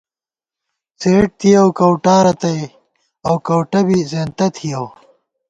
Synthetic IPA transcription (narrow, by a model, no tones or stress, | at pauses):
t͡seːʈ̚t̪ʰijɐwkɐwʈaːɾɐt̪ɐj | ɐwkɐwʈɐbizeːnt̪ɐt̪ʰijɐw